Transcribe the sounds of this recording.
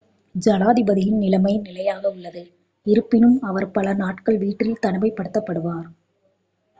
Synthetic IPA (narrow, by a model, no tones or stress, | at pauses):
d͡ʒɐlaːðɪbɐðɪjɪnnɪlɐmɐɪnɪlɐjaːɣɐʊɭːɐðɯ | ɪɾɯpːɪnɯmɐʋɐɾpɐlɐnaːʈkɐɭʋiːʈrɪlt̪ɐɳɯmɐɪpːɐɽɯt̪ːɐpːɐɽɯʋaːɾ